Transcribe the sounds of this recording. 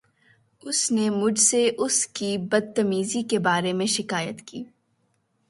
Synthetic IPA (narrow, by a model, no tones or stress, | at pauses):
ʊsnemʊd͡ʒʱseʔʊskibɐd̪̚t̪ɐmiːzikebaːɾemẽʃɪkaːjət̪kiː